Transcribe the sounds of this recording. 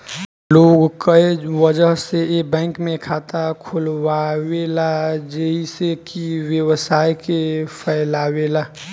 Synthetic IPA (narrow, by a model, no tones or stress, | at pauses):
loːɡkəewəd͡ʒəɦseebɛ̃ːŋkmẽkʰaːt̪akʰolwawelad͡ʒeisekiwjəwsaːjkepʰɛɪlawelaː